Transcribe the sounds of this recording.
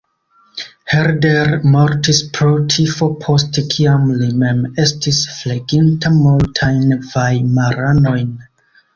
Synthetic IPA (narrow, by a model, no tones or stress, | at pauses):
heɾdeɾmoɾtispʰɾotʰifopʰostekʰiamlimemestʰisfleɡintʰamultʰajnvajmaɾanojn